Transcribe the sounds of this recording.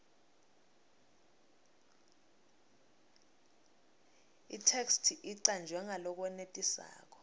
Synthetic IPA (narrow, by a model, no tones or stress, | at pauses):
ḭtʰekstʰiʔiǀand͡ʒʱwɛŋalɔk̬wɛnetʼisa̰ːk̬ɔ̥